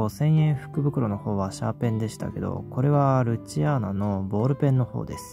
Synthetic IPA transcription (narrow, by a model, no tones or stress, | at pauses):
osẽ̞ɰ̃jẽ̞ɰ̃ɸɯ̟̥kɯ̟bɯ̟kɯ̟ɾo̞no̞ho̞ːβaɕa̰pẽ̞nd̪e̞ɕi̥t̪a̰ke̞d̪o̞̰ko̞ɾe̞βaɾɯ̟t͡ɕianano̞bo̞ːɾɯ̟pẽ̞nːo̞ho̞̰ːd̪e̞sɨ̥